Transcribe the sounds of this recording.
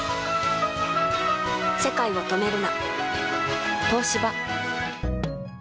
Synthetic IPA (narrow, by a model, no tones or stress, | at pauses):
se̞kaio̞t̪o̞me̞ɾɯ̟na | t̪o̞ːɕiba